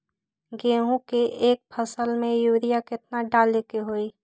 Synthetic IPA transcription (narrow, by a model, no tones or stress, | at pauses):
ɡẽːɦũkeʔeːk̚pʰəsəlmẽjuːɾijakɪt̪̚naɖaːlekeɦoːi